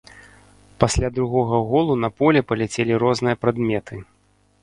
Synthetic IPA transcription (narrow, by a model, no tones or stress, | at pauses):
pasʲlʲad̪ɾuɣɔɣɐɣɔlˠunɐpɔlʲɛpɐlʲɛt͡sʲelʲiɾɔznɨjɐpɾad̪mʲɛt̪ʰɨ